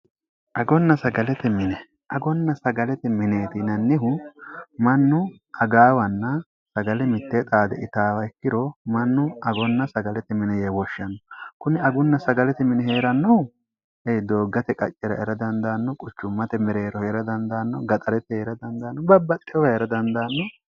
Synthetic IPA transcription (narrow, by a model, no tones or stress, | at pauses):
ʔɐɡɔnːɐsɐɡɐlɛt̪ɛmɪnɛ | ʔɐɡɔnːɐsɐɡɐlɛt̪ɛmɪneːt̪ɪnɐnːɪɦʊ | mɐnːʊ | ʔɐɡaːwɐnːɐ | sɐɡɐlɛmɪt̪ːet̪ʼaːd̪ɛ̰ɪt̪aːwɐɪkːɪɾɔmɐnːʊɐɡɔnːɐsɐɡɐlɛt̪ɛmɪnɛjewɔʃːɐnːɔkʊnɪɐɡʊnːɐsɐɡɐlɛt̪ɛmɪnɛɦe̞ːɾɐnːɔw | ɛjd̪o̞ːɡːɐt̪ɛkʼɐ̰t͡ʃʼːɛɾɐ̰ɛɾɐd̪ɐnd̪ɐːnːɔkʼʊt͡ʃːʊmːɐt̪ɛmɛɾeːɾɔheɾɐd̪ɐnd̪ɐːnːɔɡɐt̪ʼɐɾɛt̪ːɛheːɾɐd̪ɐnd̪ɐːnːɔbɐbːɐt̪ʼːɪjɔhɛɛɾɐd̪ɐnd̪ɐːnːɔ